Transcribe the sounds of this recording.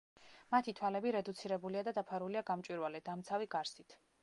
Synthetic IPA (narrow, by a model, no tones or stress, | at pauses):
mat̪ʰit̪ʰwalɛbiɾɛd̪ut̪sʰiɾɛbuliad̪ad̪apʰaɾuliaɡamt͡ʃʼwiɾwalɛd̪amt̪sʰaviɡaɾsit̪ʰ